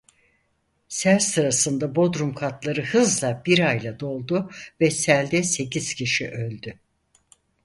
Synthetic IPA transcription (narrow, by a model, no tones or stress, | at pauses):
sæɾsɯɾasɯnd̪abo̞d̪ɾumkʰat̪lˠaɾɯhɯzlˠabiɾajlˠad̪o̞lˠd̪ʊvɛsælʲd̪ɛse̞ciz̥cʰiʃiʔølʲd̪y